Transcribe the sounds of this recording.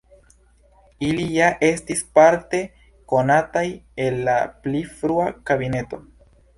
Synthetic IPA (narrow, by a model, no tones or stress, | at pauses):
ilijaʔe̞stispaɾte̞ | ko̞natajelːaplifɾuakabine̞to̞